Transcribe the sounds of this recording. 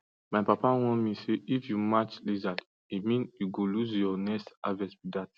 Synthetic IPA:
majpapawɔ̃miseifjumat͡ʃliza | imĩnuɡoluzjɔnɛsavɛspidat̚

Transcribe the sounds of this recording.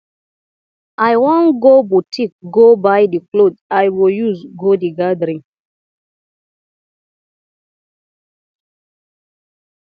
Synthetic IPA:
ʔajwɔ̃nɡobutʰik̚ɡobajdiklodajwiljusɡodiɡadɾĩn

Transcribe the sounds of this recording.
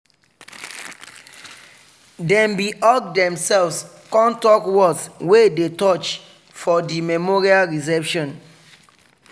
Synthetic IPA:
dɛ̃mbiʔɔk̚dɛ̃msɛlvs | kɔ̃ntɔkwɔdswedetɔt͡ʃ | fɔdimɛmɔɹialɹis̬ɛpʃɔ̃n

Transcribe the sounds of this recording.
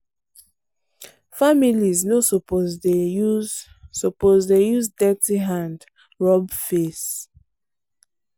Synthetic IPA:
familiznosopozdeu | sopozdejuzdɛtiɦãnd | ɹɔbfes

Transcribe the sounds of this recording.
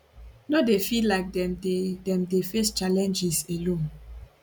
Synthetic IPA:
nɔdefilaɪk̚dɛdedɛ̃mdefest͡ʃalɛ̃nd͡ʒiselõn

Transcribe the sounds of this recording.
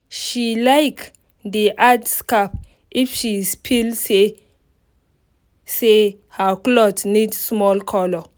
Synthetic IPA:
ʃilajk | d̪iʔadskap | ifʃispʰilse | se | haklɔtnidsmɔlkʰɔlɔ

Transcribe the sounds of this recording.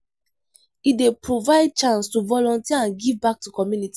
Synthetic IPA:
idepɹovaɪd̚t͡ʃãnstuvɔlɔ̃ntiəãnɡivbak̚tukɔmjuniti

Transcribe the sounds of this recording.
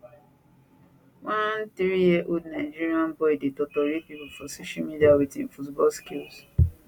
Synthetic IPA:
wãntɾijiʔodnaɪd͡ʒiɹiãnbɔidetɔtɔɾepipufɔsoʃalmidiawitĩnfutbɔlskils

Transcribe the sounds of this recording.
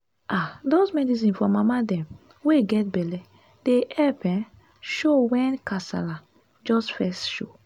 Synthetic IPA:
ʔadozmɛdis̬ĩnfɔmamadɛ̃m | weɡɛt̚bɛlɛ | d̥eɛpɛ̃n | ʃowɛ̃nkasa̰la | d͡ʒɔstfɛstʃo

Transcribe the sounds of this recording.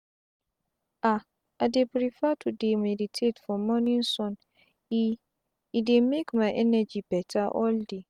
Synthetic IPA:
a | adepɾifatʰudemɛditʰetfɔ̃mːɔ̃nĩn̩sɔ̃n | i | idemekmãʔɛnad͡ʑibɛtʰaʔɔlde

